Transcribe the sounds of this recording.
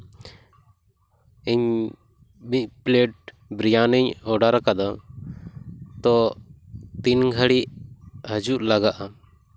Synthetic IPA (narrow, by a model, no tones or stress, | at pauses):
iɲ | bipleʈ̚ | bɾijaniɲɔɖaɾakad̪ɔ | t̪ɔ | t̪inɡʱəɽiʔhəd͡ʒuʔlaɡaʔa